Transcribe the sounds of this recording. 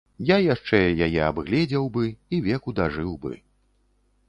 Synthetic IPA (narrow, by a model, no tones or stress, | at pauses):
jajaʂt͡ʂɛjajɛabɣlʲɛd͡zʲɛwbɨivʲɛkud̪aʐɨwbɨ̰